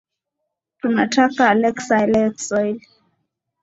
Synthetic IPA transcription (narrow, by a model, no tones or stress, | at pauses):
tunatʰakaːlɛksaɛlɛksɔil